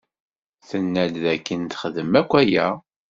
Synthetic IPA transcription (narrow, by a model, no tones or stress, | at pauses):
θənːælðækːənt̪χəðəmækʷːæjæ